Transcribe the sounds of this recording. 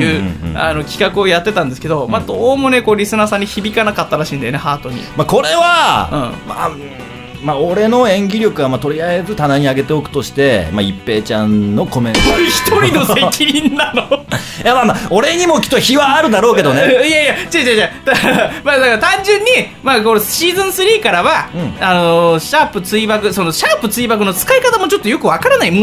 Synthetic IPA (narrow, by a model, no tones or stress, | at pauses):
ɯːa̰no̞kʲi̥kakɯ̟o̞jat̪ːe̞t̪ãnd̪esɨ̥ked̪o̞mad̪oːmo̞ne̞ko̞ːɾʲisɨnaːsãɲ̟ːiçibʲikanakat̪ːaɾaɕĩːnd̪eonehaːt̪o̞ɲ̟ḭmako̞ɾe̞βaɯ̟̰̃ːma̰ | maoɾe̞no̞ẽ̞ŋɡʲiɾʲo̞kɯβamat̪o̞ɾʲiaezɨt̪anaɲ̟iaɡe̞t̪e̞o̞kɯ̟̥t̪o̞ɕi̥t̪e̞ma̰ipːe̞ːt͡ɕãnno̞ko̞mẽoiçi̥t̪o̞ɾino̞sekʲʰiɲʲĩnːano | jamãnao̞ɾe̞ɲ̟imo̞kʲi̥t̪ːoçiβaːɾɯ̟d̪aɾo̞ːke̞d̪o̞nejajat͡ɕad͡ʑad͡ʑat̪amad̪akaɾat̪ãɲ̟d͡ʑɨ̃ɲ̟ːi | maːkoɾoɕiːzɨ̃ɰ̃sɨɾʲiːkaɾaβaɯ̃ɴano̞ɕaːpɯ̟t͡sɨibakɯ̟so̞no̞ɕaːpɯ̟t͡sɨiːbakɯ̟no̞t͡sɨ̥kaikat̪amo̞t͡ɕo̞t̪ːojo̞kɯ̟βakaɾanaim